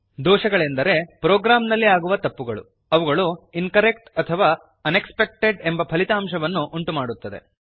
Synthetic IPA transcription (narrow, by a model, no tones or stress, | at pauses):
d̪ɔːʃɐɡɐɭe̞nd̪ɐɾe̞pɾoːɡɾaːmnɐlːiaːɡuʋɐt̪ɐpːuɡɐɭṵ | ɐʋuɡɐɭuinkɐɾekʈɐt̪ʰɐʋaː | ɐne̞kspe̞k̚ʈe̞ɖe̞mbɐpʰɐlit̪aːmʃɐʋɐnːuʔuɳʈumaːɽut̪ːɐd̪e̞̰